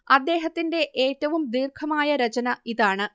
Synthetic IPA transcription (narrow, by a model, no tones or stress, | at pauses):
ɐd̪ːe̞ːɦɐt̪ːinde̞ʔeːtːɐʋumd̪iːrkʰɐmaːjɐɾɐt͡ɕɐnɐiðaːɳɨ